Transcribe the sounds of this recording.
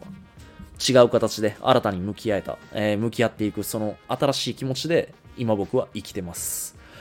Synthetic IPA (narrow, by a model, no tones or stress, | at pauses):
t͡ɕiɡaɯ̟kat̪at͡ɕid̪e̞a̰ɾat̪aɲ̟imɯ̟kʲiae̞t̪a̰emɯ̟kʲijat̪ːe̞ikɯ̟so̞no̞at̪aɾaɕiːkʲimo̞t͡ɕid̪e̞ | imabo̞kɯ̟βaʔikʲi̥t̪e̞masɨ̥